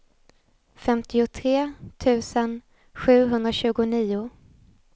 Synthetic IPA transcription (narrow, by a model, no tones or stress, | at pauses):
fɛmt̪ɪʊt̪ʰɾeːt̪ʰʉ̟ːsən | ɧʉ̟ːɦɵnd̪ɾaɕʉ̟ːɡʊniːʊ